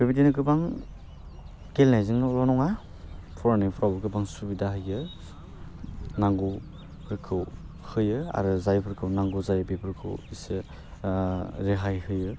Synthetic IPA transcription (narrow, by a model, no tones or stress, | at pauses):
bebidinɯkɯbaŋ | kelnajzɯŋlɔnɔŋa | pʰɔɾanipʰɾawbkɯbaŋsubidaɦɯjɯ | naŋɡu | pʰɾkʰɯw | hɯjɯa̰ɾɯzajpʰɯɾkʰɯwnaŋɡuzajbepʰɯɾkʰɯ̰wisɯ | ɾeɦajhɯjɯ